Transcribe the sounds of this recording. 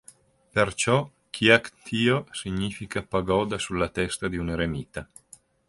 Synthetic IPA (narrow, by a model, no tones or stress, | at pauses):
pert͡ʃɔ | k̟ʰiakt̪ʰiːosiɲːiːfikapaɡɔːd̪asulːat̪ɛst̪ad̪iuneɾemiːt̪a